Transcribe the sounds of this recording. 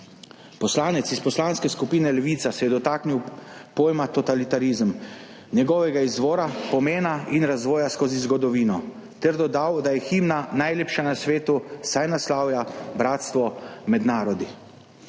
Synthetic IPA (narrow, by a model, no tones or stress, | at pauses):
pɔslaːnɛt̪sispɔslaːnskɛskupiːnɛlɛʋiːt̪sasɛjɛd̪ɔt̪aːkniwpoːjmat̪ɔt̪alit̪aɾizəm | nɛɡɔʋɛɡaizʋɔːɾapɔmeːnainɾazʋɔːjaskoːzizɡɔd̪ɔʋiːnɔ | t̪ɛɾd̪ɔd̪awd̪ajɛximnanajleːpʃanasʋeːt̪usajnaslaːwjabɾaːt̪st̪ʋɔmɛd̪naːɾɔd̪i